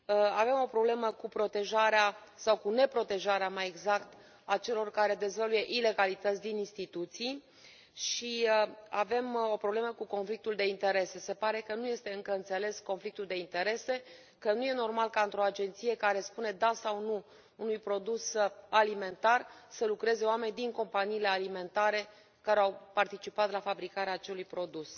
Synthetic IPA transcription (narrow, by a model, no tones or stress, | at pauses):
ave̞mo̞pɾo̞ble̞məkupɾo̞t̪e̞ʒaɾeasawkune̞pɾo̞t̪e̞ʒaɾeamaje̞ɡzakt̪ | at͡ʃe̞lo̞rkaɾe̞d̪e̞zvəluje̞ʔile̞ɡalit̪ət̪sʲd̪ininst̪it̪ut̪sij | ʃiave̞mo̞pɾo̞bleməkuko̞nflik̚t̪uld̪e̞int̪e̞ɾe̞se̞se̞paɾe̞kənuje̞st̪e̞ɨŋkəɨnt̪se̞le̞sko̞nflik̚t̪uld̪e̞int̪e̞ɾe̞se̞ | kənuje̞no̞rmalkaɨnt̪ɾo̞ad͡ʒe̞nt̪sije̞kaɾe̞spune̞d̪asawnuː | nujpɾo̞d̪usalime̞nt̪arsəlukɾe̞ze̞oame̞nʲd̪iŋko̞mpaniːle̞alime̞nt̪aɾe̞ | kaɾe̞awpart̪it͡ʃipat̪lafabɾikaɾeaːt͡ʃelujpɾo̞d̪us